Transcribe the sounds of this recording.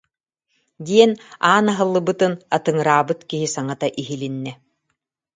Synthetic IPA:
d̪iɛnaːnaɦɯlˠːɯbɯt̪ɯnat̪ɯŋɯɾaːbɯt̪kiɦisaŋat̪aʔiɦilinːɛ

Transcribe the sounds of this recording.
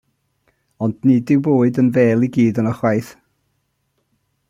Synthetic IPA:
ɔndnidɪwboːɨdənvɛːlˠiɡiːdənəχwajθ

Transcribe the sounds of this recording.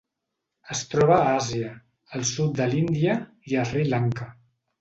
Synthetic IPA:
əst̪ɾɔβaaziəː | lˠsut̪̚d̪əlind̪iə | iəfrilaŋkə

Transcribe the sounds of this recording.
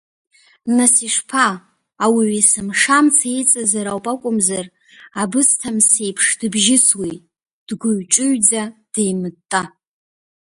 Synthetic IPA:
nasiʂpʰaː | wiɥisɨmʂamt͡sʰajt͡sʼazaɾawpʼakʷʼʊmzar | abɨstʰamsejpʰʂdɨbʒɪswijtʼ | d̥ɡʷʊɥʈ͡ʂʼɨɥd͡zad̥ejmɨtʼːa

